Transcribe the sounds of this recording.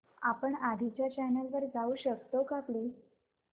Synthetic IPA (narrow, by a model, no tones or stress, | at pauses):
apəɳad̪ʱit͡ɕjat͡ɕɛnəlʋəɾd͡zauːɕəkt̪okaple